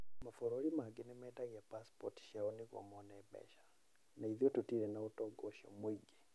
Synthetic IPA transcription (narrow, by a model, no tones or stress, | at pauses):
mafɔɾoɾimaɡenɛmɛdaɣiapaspɔtʃiaɔniɣwɔ̰mɔnɛbɛ̰ʃḁ | naiðiɔtutiɾɛnaotɔɡɔʃɔ̰mwiɡe